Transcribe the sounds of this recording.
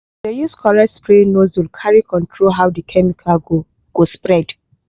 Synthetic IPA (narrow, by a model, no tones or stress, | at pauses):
dəjuskʰɔɹɛtspɹẽnozwilkʰaɹikʰɔ̃ntʰɹolɦawdəkʰɛmikʰaɡo | ɡ̥ospɹɛd